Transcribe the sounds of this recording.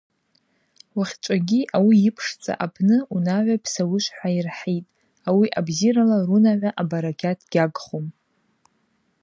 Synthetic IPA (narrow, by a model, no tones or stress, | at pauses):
waχʲt͡ʃʷʼaɡʲiʔawiɪpʰʂt͡sʼa̰ʔapʰnɨunaʕʷapʰsawʊʃʷħʷairħetʼ | awiʔabziɾalarunaʕʷaʔabaɾaɡʲʰatʰɡ̥ʲaɡχom